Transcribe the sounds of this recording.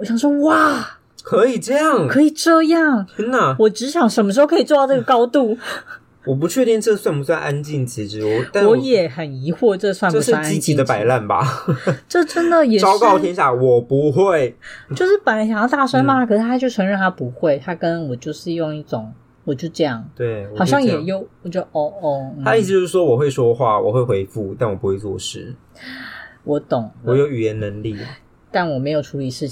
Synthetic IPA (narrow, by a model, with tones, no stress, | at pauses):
wɔ˧˥ɕjɑ˨˩ŋʂwɔ˥wa˥˩ | kʰɤ˧˥i˨˩ʈ͡ʂɤ˥˧jɑ˥˩ŋkʰɤ˧˥i˨˩ʈ͡ʂɤ˥˧jɑ˥˩ŋna˥˩wɔ˨˩ʈ͡ʂɻ̩˧˥ɕjɑ˨˩ŋʂə˧˥nmə˧ʂɻ̩˧˥xo˥˧kʰi˨˩ʈ͡ʂwɔ˥˧˥ʈ͡ʂɤ˥˩ɡə˩kɑ˥ʊt̪u˥˩ | wɔ˨˩p̬u˧˥t͡ɕʰɥɛ˥˧t̪i˥˧ŋʈ͡ʂɤ˥˧swa˥˧npu˧˥swa˥˧nʔa˧˥nt͡ɕi˥˩nt͡ɕi˧˥ʈ͡ʂɻ̩˧˥wɔ˨˩˥nwɔ˧˦˨jɛ˨˩˦xə˨˩ni˧˥xwɔ˥˧ʈ͡ʂɤ˥˧swa˥˧˨pswa˥˧n˥i˥t͡ɕi˧˨˧d̪ə˧pa˨˧˥ɪla˥˩nbɐ̰˨˩ʈ͡ʂɤ˥˩ʈ͡ʂə˥nd̪ə˨jɛ˨˩ɑ˥kɑ˥˧ʊt̪ʰjɛ˥nɕja˥˩wɔ˨˩pu˧˥xwe˥˩ɪt͡ɕjo˥˧ʊʂɻ̩˥˩pa˨ɪla˥nɕjɑ˨˧jɑ˥˧ʊt̪a˥˩swa˥nma˨˥kʰɤ˨˩ʂɻ̩˥t̪ʰa˥t͡ɕjo˥˩ʊʈ͡ʂʰɤ˧˥ŋɻə˥˩nt̪ʰa˥pu˧˦xwe˥˩ɪt̪ʰa˥kə˦˥nwɔ˨˩t͡ɕjo˥˧ʊʂɻ̩˥˧jʊ˥˧ŋi˥˩ʈ͡ʂʊ˨˩˦ŋ | wɔ˨˩t͡ɕjo˥˧ʊʈ͡ʂɤ˥˧jɑ˥˩ŋt̪we˥˩ɪwɔ˨xɑ˨˩ʊɕjɑ˥ŋjɛ˨˩jo˥˩ʊwɔ˨˩t͡ɕo˧˥d̪ə˧ɔ˥˩ɔ˥˧˩a˥i˥˩s̬̩˧t͡ɕo˥˧ʊʂɻ̩˥˩ʂwɔ˥wɔ˨˩xwe˥˩ɪʂwɔ˥xwa˥˩wɔ̰˨˩xwe˥˩ɪxwe˧˥ɪfu˥˩t̪a˥˩nwɔ˨˩pu˦˥we˥˧ɪt͡swɔ̰˥˧ʂɻ̩˥˩ | wɔ˧˦t̪ʊ˨˩ŋwɔ˨˦jo˧˥ʊy˨˩jɛ˨˦nnə˧˦ŋlḭ˥˩ | t̪a˥˩nwɔ˨˩me˧˥ɪjo˨˩ʊʈ͡ʂʰu˧˥li˨˩ʂɻ̩˥˩t͡ɕʰ